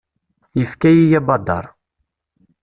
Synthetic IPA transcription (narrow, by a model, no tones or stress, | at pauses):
jəfkæjijæbɑd̪ːɑ̰ɾˤ